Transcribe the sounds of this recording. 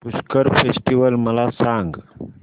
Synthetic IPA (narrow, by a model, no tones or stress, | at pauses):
uskəɾpʰesʈiʋəlmɐlasãːŋɡ